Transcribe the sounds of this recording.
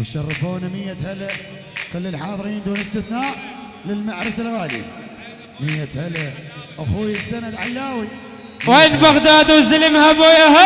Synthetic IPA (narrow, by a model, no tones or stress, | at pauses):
wəʃɑrˤːɑfoːnamɪjːat̪halaʔ | kʊlːɪlħɑːðˤɨɾiːnd̪uːnəst̪ɪθnaːʔ | lɪlmaʕɾɪsalɣaːlḭ | mijːat̪halaʔaxuːjɪsːanad̪ʕalːaːwi | wweːnbaɣd̪aːd̪uwzɪlɪmhabojaɦ